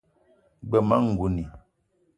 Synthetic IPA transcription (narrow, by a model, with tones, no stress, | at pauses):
ɡ͡bə˨ma˦ŋ̩˨ɡu˨ni˨